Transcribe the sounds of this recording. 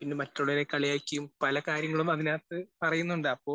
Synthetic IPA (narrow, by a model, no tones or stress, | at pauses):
pinːemɐtːoɭːɐɾekɐɭijaːkʲːɐjumpɐlɐkaːɾjɐŋːɐɭumɐðinaːt̪ːɨpɐrɐjunːuɳɖɨɐpːo̞ː